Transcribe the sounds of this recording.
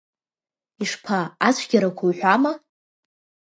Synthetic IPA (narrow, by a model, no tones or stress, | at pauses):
iʂpʰaat͡ɕʷʰɡʲaɾakʷʰajħʷama